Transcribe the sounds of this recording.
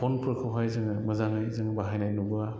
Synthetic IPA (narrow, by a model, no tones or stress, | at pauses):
pʰɔnpʰɯɾkʰɯwɦajzɯŋɯmɐzaŋɯjzɯŋbaɦajnajnubɯa